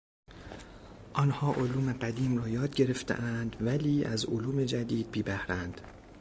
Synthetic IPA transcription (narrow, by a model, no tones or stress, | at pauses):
ʔɒːnhɒːʔoluːme̞ɢæd̪iːmrɒːjɒːd̪̚ɟe̞ɾeft̪ʰḛʔænd̪væliːæzoluːme̞d͡ʒæd̪iːd̪̚biːbæhɾænd̪̥